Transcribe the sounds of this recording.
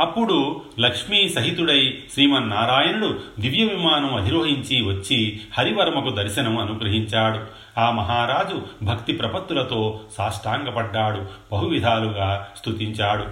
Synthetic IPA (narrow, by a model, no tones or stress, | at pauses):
ɐpːuɽu | lɐkʂmiːsɐɦit̪uɽɐjʃɾiːmɐnːaːɾaːjɐnɐɽud̪iʋjɐʋimaːnɐmɐd̪ʱiɾoːɦiɲt͡ʃiʋɐt͡ʃːihɐɾiʋɐɾɐmɐkud̪ɐɾʃɐnɐmɐnuɡɾɐɦiɲt͡ʃaːɽu | aːmɐɦaːɾaːd͡ʒubʱɐkt̪ipɾɐpɐt̪ːulɐt̪o̞ːsaːʂʈʰaːŋɡɐpɐɖːaːɽub̥ɐɦuʋid̪ʱaːluɡaːst̪ʰut̪iɲt͡ʃaːɽu